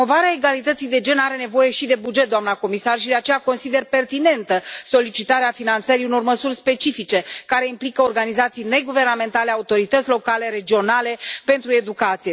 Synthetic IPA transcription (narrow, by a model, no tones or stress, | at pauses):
ovaɾeaeɡalit̪ət̪sijd̪e̞d͡ʒe̞naɾe̞ne̞vo̞je̞ʃid̪e̞bud͡ʒet̪̚d̪oamnako̞misarʃid̪e̞at͡ʃe̞jako̞nsid̪e̞rpe̞rt̪ine̞nt̪əso̞lit͡ʃit̪aɾeafinant̪səɾiuno̞rməsurʲspe̞t͡ʃifit͡ʃe̞kaɾe̞implikəorɡanizat̪sijne̞ɡuve̞rname̞nt̪ale̞aut̪o̞ɾit̪ət̪sʲlo̞kale̞ɾe̞d͡ʒio̞nale̞pe̞nt̪ɾue̞d̪ukat̪sije